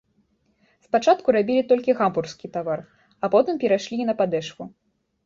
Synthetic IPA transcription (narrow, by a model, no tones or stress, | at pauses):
spat͡ʂat̪kuɾabʲilʲit̪ɔlʲkʲiɣampurskʲit̪avar | ɐpɔt̪ɨmpʲɛɾaʂlʲinɐpad̪ɛʂku